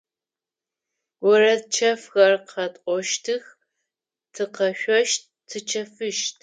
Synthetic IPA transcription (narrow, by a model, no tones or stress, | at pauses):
wɔrɐtt͡ʃʰɐfɣɐrqʰɐtʼʔʷʼɔʃtʰɨx | tʰɨqɐɕʷɔʃt | tʰɨt͡ʃʰɐfɨʃtʰ